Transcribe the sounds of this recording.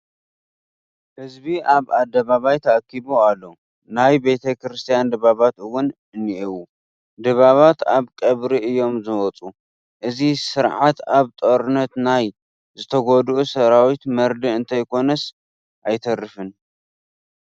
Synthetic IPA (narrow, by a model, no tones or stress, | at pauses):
hɨzbiʔaβad̪ːɐβaβajt̪ʰɐʔakʰːiboalːo̞ | najbe̞t̪ʰɐkɾɨst̪ʰijand̪ɨβaβat̪ɨwʊn | ɨnːiʔiwu | d̪ɨβaβat̪aβkʼɐβɾiɨjːo̞mzɨwɔt͡sʼu | ʔɨzisɨɾʕat̪aβt̪ʼoɾɨnɐt̪naj | zɨt̪ʰɐɡod̪ʔusɐɾawit̪mɐɾd̪iɨnt̪ʰɐjkʰo̞nɐs | ʔajt̪ʰɐrɨfɨn